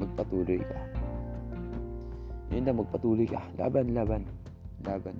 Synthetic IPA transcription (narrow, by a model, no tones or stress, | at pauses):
mɐɡ̚pɐt̪uːlojka | ʔɪnd̪amɐɡ̚pɐt̪uːlojka̰la̰ːbanlaːban | laːban